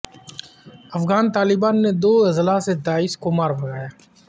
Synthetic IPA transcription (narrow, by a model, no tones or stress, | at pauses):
ɐfɣaːnt̪aːlɪbaːnːed̪oːɪzlased̪aːiːskʊmaːɾbʱəɡaːjaː